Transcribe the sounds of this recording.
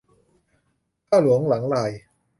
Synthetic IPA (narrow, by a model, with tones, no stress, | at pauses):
kaː˥˩lu˩˦əŋla˩˦ŋlaː˧˩j